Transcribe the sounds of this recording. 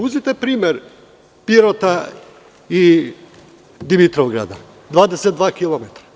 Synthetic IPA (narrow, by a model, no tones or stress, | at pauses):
uzit̪epɾiːmeɾ | piɾot̪a | i | d̪imit̪ɾoʋɡɾa̰d̪a̰ | d̪ʋaːd̪eset̪d̪ʋaːkilˠomet̪ɾḁ